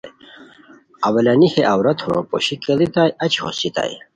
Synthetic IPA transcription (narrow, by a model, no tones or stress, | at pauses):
j | ɐwɐlanixeʔawɾɐt̪ʰhoo̰po̰ɕikelit̪aːjɐt͡ɕho̰sit̪a̰ːj